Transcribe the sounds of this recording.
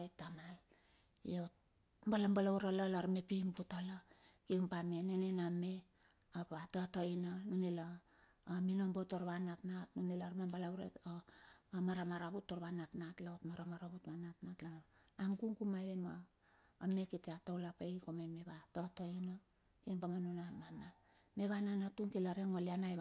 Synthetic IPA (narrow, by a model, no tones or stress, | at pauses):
jtamal | ḭot̚ | mbalambalauɾalalaɾmepimbutalakeumpamenenename | apatatoinanunelaː | minombotoɾβanatnatnunelaɾmambalauɾḛomaɾamaɾaβutːoɾβanatnatlaotmaɾamaɾaβutβanatnatlano | aŋkuŋkumajβemaː | mekitiatowlapejkomameβatotoino | kinpamanunamama | me̞βananatuŋkilaɾeŋolianaj